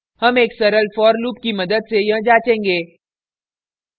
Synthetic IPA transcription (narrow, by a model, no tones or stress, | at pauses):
hɐmeːksɐɾəlfɔːɾluːp̚kimɐd̪əd̪sejɐ̃ɦd͡ʒaːt͡ʃẽːŋɡeː